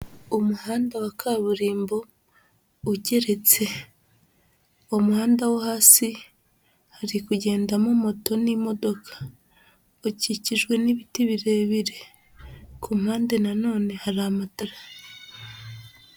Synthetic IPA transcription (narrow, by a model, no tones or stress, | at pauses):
omuhaːndawakʰaβuɾiːmbo̞ | uɟe̞ɾe̞t͡se̞ | omuhaːndawahaːsi | haɾikuɟe̞ːndamomo̞tonimo̞do̞kʰḁ | ociciʒɡwe̞niβitiβiɾe̞ːβiɾe̞ | kumhaːnde̞nano̞ːne̞haɾamataɾa